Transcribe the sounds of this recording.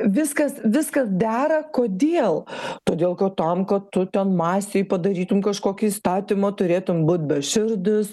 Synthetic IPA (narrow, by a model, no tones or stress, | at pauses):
ʋʲɪskɐsʋʲɪskɐsd̪ʲæːɾɐkoːd̪ʲeːlˠt̪oːd̪ʲeːlˠkɐt̪ɐmkɐtt̪ʊt̪ʲɛnmɑːsʲeːjpɐd̪ɐɾʲiːt̪ʊmkɐʃkoːkʲɪist̪ɑːt̪ʲimɐt̪ʊɾʲeːt̪ʊmbuːt̪̚ʲbʲɛʃʲɪrd̪ʊs